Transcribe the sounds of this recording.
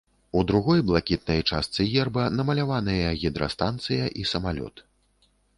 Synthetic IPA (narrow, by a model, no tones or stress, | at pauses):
ud̪ɾuɣɔjblˠakʲit̪̚nɐjt͡ʂast̪sɨjɛrbɐnɐmɐlʲavanɨjɐɣʲid̪ɾɐ̰st̪ant̪sɨjɐʔisɐmalʲɔ̰t̪